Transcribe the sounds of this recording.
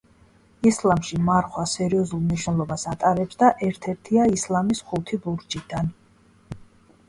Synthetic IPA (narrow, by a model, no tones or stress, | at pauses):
islˠamʃimaɾχwasɛɾiɔzulˠniʃwnɛlˠɔbasat̪ʼaɾɛpsd̪aʔɛɾt̪ʰɛɾt̪ʰiaislˠamisχut̪ʰibuɾd͡ʒʼid̪̥an